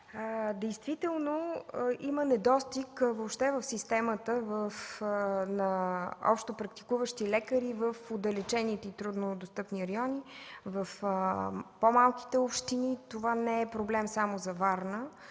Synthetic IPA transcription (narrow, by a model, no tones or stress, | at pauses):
əd̪ɛjst̪vit̪ɛlˠnoimənɛd̪ɔst̪ikvopʃt̪ɛvəfsist̪ɛmət̪əvəf | nɐɔ̰pʃt̪opɾɐkt̪i̥kuvəʃt̪ilɛkəɾivəfod̪ɐlɛt͡ʃɛnit̪ɛit̪ɾud̪nod̪ost̪ɤpniɾɐjɔnivəfəpomalˠki̥t̪ɛopʃt̪init̪ovanɛɛpɾoblɛmsamozɐvaɾnə